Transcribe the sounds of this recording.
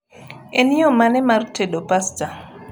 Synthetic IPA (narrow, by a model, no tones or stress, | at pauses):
eniomanɛmarteɗopasta